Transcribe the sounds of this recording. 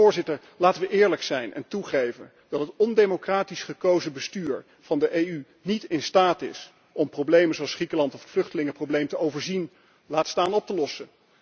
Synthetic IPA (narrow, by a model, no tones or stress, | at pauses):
ʊːɹzɪtəɹ | laːtəʋəʔɪːɹləksɛjnʔɛ̰ntuχejvən | dɑtɦətɔndejmokraːtisχəkowzəbəstyːɹ | v̥ɑndəʔejy | nitɪnstaːtɪ̰s | ɔmprowblejmənzoɑlsχrikəlɑntɔfətflɵχtəlɪŋəproblejmtəowvəɹzin | laːtstaːnɔp̚təlɔsə